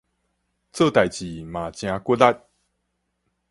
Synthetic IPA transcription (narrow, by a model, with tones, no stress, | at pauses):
t͡sɤ˥˧˨t̪a˨˩jt͡ɕi˨ma˨˩t͡ɕjã˧kʷə˥˦la˦t̚